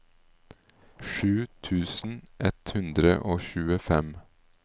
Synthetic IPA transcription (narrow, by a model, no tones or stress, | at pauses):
ʃʉːt̪ʰʉːsn̩ʔɛt̪hʉnd̪ɾə̰ʔoːçʉːəfɛm